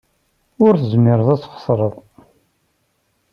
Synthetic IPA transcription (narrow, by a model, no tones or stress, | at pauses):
ʊɾθəzmɪɾəðˤæt͡sːχə̥sˤɾˤəðˤ